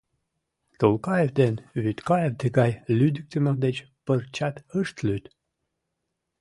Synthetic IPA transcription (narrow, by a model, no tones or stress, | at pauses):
t̪əlˠkɑjevd̪enβyt̪kɑjevd̪eɡɑjlyd̪ək̚t̪əməd̪et͡ɕ | pərt͡ɕɑt̪əʃt̪lʲyt̪